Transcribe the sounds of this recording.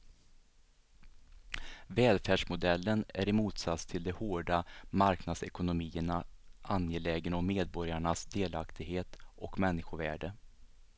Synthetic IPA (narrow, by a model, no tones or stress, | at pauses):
vɛːlfæːʂmʊd̪ɛlːənæɾɪmuːt̪sat̪st̪ʰɪld̪ɛhoːɖamaɾknad̪sɛkʊnʊmiːəɳaʔanjeːlɛːɡənɔmmeːd̪̚bɔɾjaɳasd̪eːlakt̪ʰɪɡɦeːt̪ʔɔkmɛnːɪɧʊvæːɖə